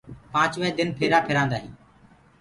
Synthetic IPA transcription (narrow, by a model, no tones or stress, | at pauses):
pãːt͡ʃʋəɦed̪ɪnpʰeːɾaːpʰɪɾãːnd̪aːɦḭ̃ː